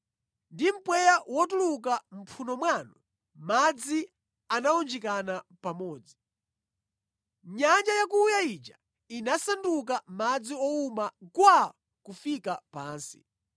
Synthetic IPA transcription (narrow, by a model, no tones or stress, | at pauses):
ndim̩pwɛjawɔtulukam̩pʰunɔmwaːnɔ | mad͡zi | anaɔnd͡ʒɛkanapamɔːd͡zi | ɲand͡ʒajakuːjait͡ʃḁ | inasanduk̬amad͡ziɔumakwa | kufikapaːnsi̥̰